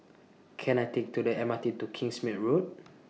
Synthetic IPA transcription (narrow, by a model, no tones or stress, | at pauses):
kʰɛ̃najtek̚tudəɛmatitukʰĩŋsmit̚ɹot̚